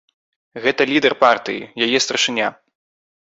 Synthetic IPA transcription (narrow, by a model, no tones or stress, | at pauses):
ɣɛt̪ɐlʲid̪ɛrpart̪ɨ̰jḭjajɛst̪ɾɐʂɨnʲa